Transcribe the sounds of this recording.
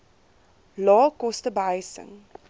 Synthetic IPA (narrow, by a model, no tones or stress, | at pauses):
lɑːkɔstəbajsə̰ŋ